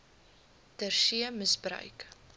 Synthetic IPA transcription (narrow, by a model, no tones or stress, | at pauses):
d̥ərʃiəməsbrœ̰ɥk